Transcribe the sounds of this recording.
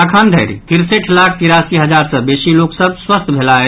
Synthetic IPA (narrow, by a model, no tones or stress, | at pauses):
əkʰand̪ʱəjɾit̪ʰiɾseʈʰlakʰkiɾaskiɦəd͡ʒaɾsə̃besiloksəb̚swəst̪ʰbʱelaɛ